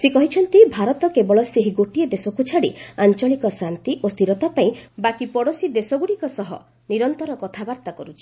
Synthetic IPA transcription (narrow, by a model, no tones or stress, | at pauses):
sekɔɦit͡ʃʰɔnt̪ibʱaɾɔt̪ɔkebɔɭɔseɦiɡoʈied̪esɔkut͡ʃʰaɽiant͡ʃɔɭikɔsant̪iʔost̪ʰiɾɔt̪apaĩbakipɔɽosid̪esɔɡuɽikɔsɔɦɔ̰ | niɾɔnt̪ɔɾɔkɔt̪ʰabaɾt̪akɔɾut͡ʃʰi̥